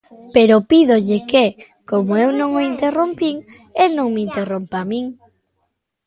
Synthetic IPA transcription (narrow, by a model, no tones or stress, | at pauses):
peɾopiðoʎɪke | komoewnõŋoint̪erompiŋ | elnõŋmeint̪erompamĩŋ